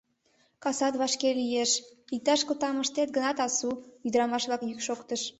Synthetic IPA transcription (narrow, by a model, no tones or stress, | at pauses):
kɑsɑt̪βɑʃkelyjeʃik̚t̪ɑʃkət̪ɑməʃt̪et̪̚ɡənɑt̪ɑsuyd̪əɾɑmɑʃβlɑkjykʃokt̪əʃ